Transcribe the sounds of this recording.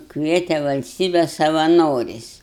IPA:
ˈkʋʲiɛtʲɛ ʋɐlʲsʲˈtʲiːbʲɛ sɐʋɐˈnoːrʲɛɪs

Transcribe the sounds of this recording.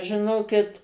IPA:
ʒʲɪˈnoːkʲɪt

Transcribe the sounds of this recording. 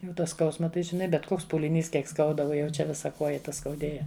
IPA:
ˈjɛʊ tɐ ˈskɐʊsmɐ ˈtɐɪ ʒʲɪˈnɐɪ ˈbʲɛt ˈkoːks puːlʲɪˈnʲiːs ˈkʲiɛk ˈskɐʊdɐ ˈuɔ jɛʊ ˈt͡ʃʲɛ ˈʋʲɪsɐ ˈkoːjɛ ˈtɐ skɐʊˈdʲeːjɛ

